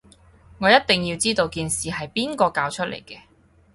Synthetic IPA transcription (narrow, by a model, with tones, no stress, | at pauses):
ŋɔː˨˧jɐ˥t̚t̪ɪ˨ŋjiː˧wt͡siː˥t̪o˧wkiː˨nsiː˨˩ɦɐ˨jpiː˥nkɔː˧kaː˧wt͡ʃʰɵ˥lḛ˨˩jkɛː˧